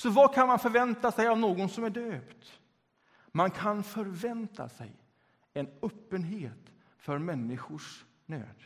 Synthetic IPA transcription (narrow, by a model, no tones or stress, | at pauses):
sɔvakʰanmanfœɾvɛnt̪asɛjavnoːɡɔnsɔmæɖøːpt̪ | mankʰanfœɾvɛnt̪ʰa̰sɛ̰j | ɛnœpːənɦeːt̪ | fœɾmɛnːɪɧʊʂ | nø̰ːd̪̥